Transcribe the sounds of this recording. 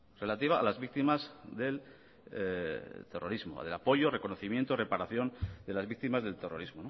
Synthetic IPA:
re̞lat̪iβ̞a̰ːlazβik̚t̪imazðe̞l | t̪e̞rʔo̞ɾizmoa̰ðe̞lapo̞ʝo̞re̞ko̞no̞θimje̞nt̪ore̞paɾaθjo̞nd̪e̞lazβik̚t̪imazðe̞lt̪e̞ro̞ɾizmo̞no

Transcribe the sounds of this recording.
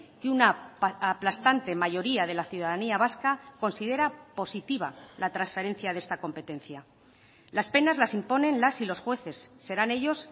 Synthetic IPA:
keunaaplast̪ant̪e̞maʝo̞ɾiað̞e̞laθjuðaðaniaβ̞askako̞nsiðe̞ɾapo̞sit̪iβa̰lat̪ɾansfe̞ɾẽ̞n̟θjað̞e̞st̪ako̞mpe̞t̪e̞nθja | laspe̞nazlasimpo̞nẽ̞nlasilo̞sxwe̞θe̞sːe̞ɾane̞ʎo̞s

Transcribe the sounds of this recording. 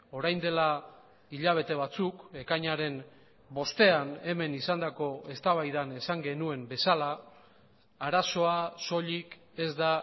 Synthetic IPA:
o̞ɾajnd̪e̞la | iʎaβ̞e̞t̪e̞β̞at͡suke̞kaɲaɾe̞m | bo̞st̪e̞ane̞me̞nisand̪ako̞e̞st̪aβajðane̞saŋɡe̞nue̞mbe̞salaː | ɾaso̞aso̞ʎik | e̞zd̪a

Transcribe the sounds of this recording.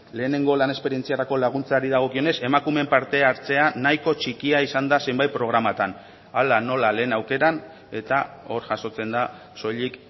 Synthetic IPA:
le̞ːne̞ŋɡo̞lane̞spe̞ɾie̞nt͡siaɾako̞laɣ̞unt͡saɾið̞aɣ̞o̞kio̞ne̞se̞makume̞mpaɾt̪e̞aɾt͡se̞anajko̞t͡ʃikiaisand̪ase̞mbajt̪̚pɾo̞ɣ̞ɾamat̪an | alano̞lale̞ːnawke̞ɾan | e̞t̪ao̞ɾʝaso̞t͡se̞nd̪a | so̞ʎik

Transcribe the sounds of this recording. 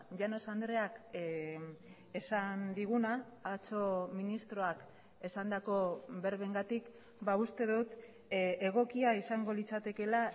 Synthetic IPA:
ʝano̞sand̪ɾe̞ak | e̞sand̪iɣ̞unaː | t͡so̞minist̪ɾo̞ak | e̞sand̪ako̞βe̞ɾβeŋɡat̪ik | baust̪e̞ðut̪ | e̞ɣ̞o̞kiaisaŋɡo̞lit͡sat̪e̞ke̞la

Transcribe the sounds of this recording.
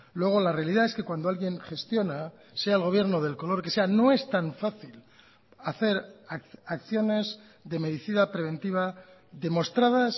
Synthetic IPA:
lwe̞ɣ̞o̞lare̞aliðae̞ske̞kwand̪oalɣje̞ŋxe̞st̪jo̞na | se̞aelɣ̞o̞β̞je̞ɾnoðe̞lko̞lo̞ɾke̞se̞ano̞e̞st̪aɱfaθil | aθe̞ɾaakθjo̞ne̞z | ðe̞me̞ðiθiðapɾe̞β̞e̞nt̪iβ̞a | ðe̞mo̞st̪ɾað̞as

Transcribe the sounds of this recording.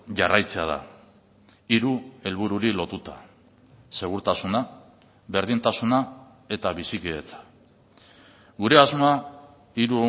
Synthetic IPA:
ʝarajt͡se̞að̞a̰ | iɾue̞lβuɾuɾilo̞t̪ut̪a̰ | se̞ɣ̞uɾt̪asuna | βe̞ɾðint̪asuna | e̞t̪aβisikiðe̞t͡sḁ | ɡuɾe̞azmoa | iɾuo

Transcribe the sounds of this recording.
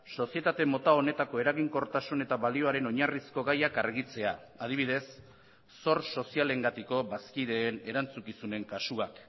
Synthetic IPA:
so̞sije̞t̪at̪emo̞t̪ao̞ne̞t̪ako̞e̞ɾaɣiŋko̞ɾt̪asune̞t̪aβalio̞aɾe̞no̞ɲarisko̞ɣajakaɾɣit͡se̞aað̞iβiðe̞sː | o̞ɾso̞siale̞ŋɡat̪iko̞βaskiðeːne̞ɾant͡sukisune̞ŋkasuak

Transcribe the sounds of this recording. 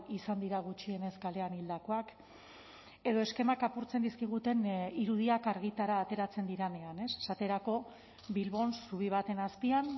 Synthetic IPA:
isand̪iɾaɣ̞ut͡ʃie̞ne̞skale̞anild̪ako̞ak | e̞ð̞o̞e̞ske̞makapuɾt͡se̞nd̪iskiɣ̞ut̪e̞niɾuðiakaɾɣ̞it̪aɾaːt̪e̞ɾat͡se̞nd̪iɾane̞ane̞se̥sat̪e̞ɾako̞ | βilβo̞nsuβ̞iβ̞at̪e̞naspian

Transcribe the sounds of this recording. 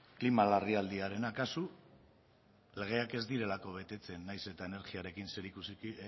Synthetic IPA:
klimalariald̪iaɾe̞nakasu | le̞ɣ̞e̞ake̞zd̪iɾe̞lako̞βe̞t̪e̞t͡se̞nːajse̞t̪aene̞ɾɣiaɾe̞kinse̞ɾikusi

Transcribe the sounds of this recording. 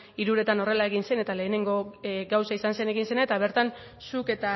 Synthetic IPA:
iɾuɾe̞t̪ano̞re̞laeɣ̞inse̞ne̞t̪ale̞ːne̞ŋɡo̞ɡawsaisanse̞ne̞ɣinse̞naet̪aβ̞e̞ɾt̪an | suke̞t̪a

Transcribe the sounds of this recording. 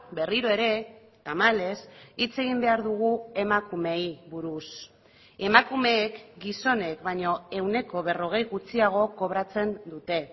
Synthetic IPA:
be̞riɾo̞e̞ɾe̞ | t̪amale̞sit͡se̞ɣ̞imbe̞aɾðuɣ̞ue̞makume̞jβuɾus | e̞makume̞ːkɡiso̞ne̞kbaɲo̞e̞wne̞ko̞βe̞ro̞ɣ̞e̞jɣut͡siaɣ̞o̞ko̞β̞ɾat͡se̞nd̪ut̪e̞

